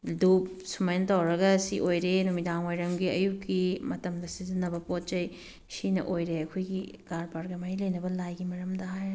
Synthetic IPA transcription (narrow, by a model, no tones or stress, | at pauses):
dup̚sumɐjnɐtɐwɾɐɡɐsiʔojɾenumidaŋwojɾɐmɡiɐjukːimɐtɐmdɐsizinːɐbɐpot̚t͡ʃɐj | sinɐ̰ʔojɾeɐkʰojɡiɡaɾpaɾɡɐmɐɾilejnɐbɐlajɡimɐɾɐmdɐɦaj